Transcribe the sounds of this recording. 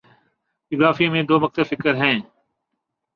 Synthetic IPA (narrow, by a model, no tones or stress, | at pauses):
ɪzaːfimẽːd̪oːʋək̚t̪əfɪkəɾɦɛ̃ː